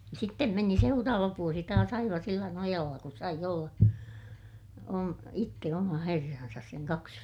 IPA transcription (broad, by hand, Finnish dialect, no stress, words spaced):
sitːem meni seurɑːʋɑ ʋuosi tɑːs ɑiʋɑ silːæ nojɑlːɑ ku sɑij olːɑ om itːe omɑ herːɑnsɑs seŋ kɑks